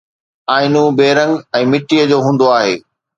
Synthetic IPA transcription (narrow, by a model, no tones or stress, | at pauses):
aːɪnũːbeːɾə̃ŋɡɛ̃ːmɪʈijəd͡ʑoːɦũːnd̪oaːɦḛː